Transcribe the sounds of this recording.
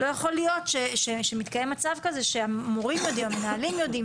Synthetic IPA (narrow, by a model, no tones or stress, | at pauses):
lojaχo̞lijo̞tʃeʃeʃemit̪kaje̞mːat͡savkaze̞ʃe̞amoʁimjodimamenaalimjo̞dim